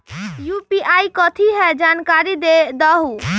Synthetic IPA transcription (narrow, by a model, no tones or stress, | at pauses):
jupiʔajkɔt̪ʰiɦɛd͡ʒankaɾid̪ed̪ɔɦu